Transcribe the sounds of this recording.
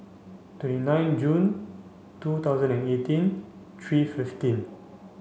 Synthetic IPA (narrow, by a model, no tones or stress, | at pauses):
twɛ̃ntinãjnd͡ʒũn | tut̪aʊzə̃nɛ̃netĩn | tʰɹififtĩn